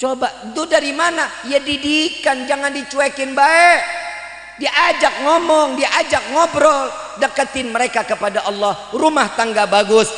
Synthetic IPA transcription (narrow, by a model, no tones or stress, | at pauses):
t͡ʃobat̪udaɾimanaijadidikand͡ʒaŋandit͡ʃuɛkɪnbaɛk̚ | diʔad͡ʒak̚ŋɔmɔŋdiʔad͡ʒak̚ŋɔbɾɔl | dəkət̪ɪnməɾekakəpadaʔɑlːɑhrumaht̪aŋɡabaɡʊs